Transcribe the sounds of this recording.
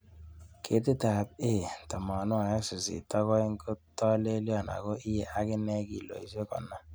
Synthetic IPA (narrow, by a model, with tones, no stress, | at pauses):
kʰe˦tɪ˦ta˨t̚e˦˨tɔ˨mɔ˨nʊ˦a˨ja˦ksi˨sḭ˨tɔ˦kɔ˦i˦ŋ̩˦ko˦tɔ˦le˦ljɔ˦˨na̰˨ko˦ʔi˦je˦ʔa˦kɪ˦nɛ˦kḭ˨lo̰˨i˨se˦kɔ̰˨na˦